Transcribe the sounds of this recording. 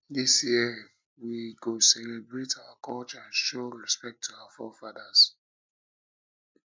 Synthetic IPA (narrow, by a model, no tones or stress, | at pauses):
disjiɛ | wiɡosɛlɛbɹetawakʰɔt͡ʃãnʃoɹɛspɛk̚tʰuawafɔfadas